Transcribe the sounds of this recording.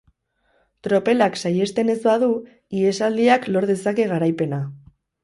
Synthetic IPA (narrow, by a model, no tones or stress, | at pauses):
t̪ɾo̞pe̞laksaje̞st̪e̞ne̞zbaðu | ie̞sald̪iaklo̞ɾð̞e̞sake̞ɣ̞aɾajpe̞na